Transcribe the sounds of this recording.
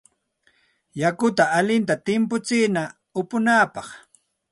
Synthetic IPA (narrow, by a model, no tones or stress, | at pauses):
jakʊt̪aːlɪnt̪at̪ɪmpʊt͡sɪːna | ʊpʊnaːpɑχ